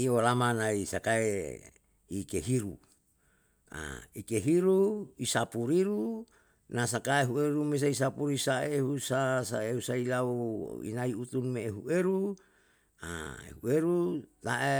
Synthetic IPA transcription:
iolamanaisakae | ikeɦiɾṵ | a̰ikeɦiɾuisapuɾiɾu | nasakaeɦueɾumes̬ais̬apuɾisaeɦusasaeusailauḭnaiut̪unmeːɦuʔeɾu | a̰ḛhuʔeɾut̪aʔe

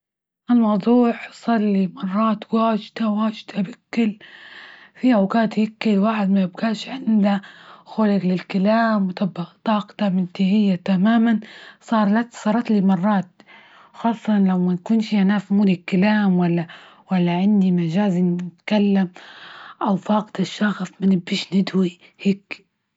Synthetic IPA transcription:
ʔalmɑwd̪ˤuːħsˤɑlːimɑrˤːɑːt̪waːʒd̪̥awaːʒd̪abɪkːɪl | fiʔawkaːt̪jɪkːɪlwaːħɪd̪majɪbɡaːʃʕɪnd̪axolɪɡlɪlkalaːmwt̪ɑbaʔt̪ˤɑːqt̪amɪnt̪ihɪjːat̪amaːmansˤɑːɾˤlat̪sˤɑːɾˤɑt̪limɑrˤːɑːt̪̚ | xɑːsˤːɑnlawmankuːnʃiʔanaːfmuːlɪkːalaːmwalːa | walːaʕɪnd̪imaʒaːzinɪt̪kalːamʔawθɑːqt̪aʃːɑɣsˤmanɪbːiːʃnɪd̪wi | heːk

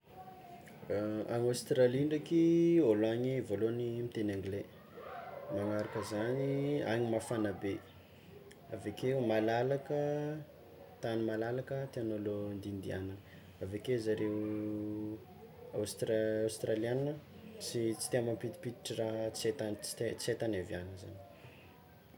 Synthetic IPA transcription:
aŋast̪raliɳɖ͡ʐakioloaɲivolonimit̪enaŋɡle | maŋaɾakəzaniaɲimafanəbe | a̰vekeumalalakə | t̪animalalakət̪eanolond̪ind̪ianə | avekezaɾeu | awst̪raawst̪ɾalianinət͡sit͡si̥t̪iambəmpit̪i̥pit̪i̥ʈ͡ʂiraɦt͡set̪ant͡si̥t̪et͡set̪anavjanəza̰ni̥

